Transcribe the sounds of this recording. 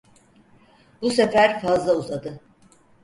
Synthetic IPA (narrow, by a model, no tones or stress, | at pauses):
busefæɾfazlˠauzad̪ɯ